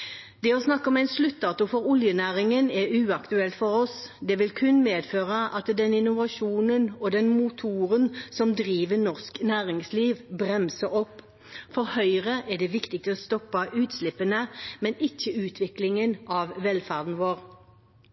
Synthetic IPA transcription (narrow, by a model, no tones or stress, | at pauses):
d̪ɛɔsnɑkːəɔmæɪnslʉt̪̚d̪ɑːt̪ʊfɔʁʊljənæːʁɪŋənɛʉːɑkt̪ʉɛlt̪fɔʁɔsd̪ɛʋɪlkʰʉnmeːd̪føːʁəʔɑt̪d̪ɛnɪnʊʋɑʃuːnənɔd̪ɛnmʊt̪ʰuːʁənsɔmd̪ʁiːʋənɔʁsknæːʁɪŋsliːʋbʁɛmsəɔpː | fɔʁhœʏʁəʔɛɖ̪ɛʋɪkt̪ɪɡ̚t̪ɔst̪ɔpːɑʔʉːt̪slɪpːənəmɛnɪçːəʉːt̪ʰʋɪklɪŋənʔɑʋʋɛlfæʁd̪n̩ʋoːʁ